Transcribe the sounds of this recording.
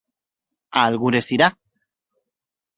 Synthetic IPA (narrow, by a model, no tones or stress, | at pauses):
alɣuɾesiɾa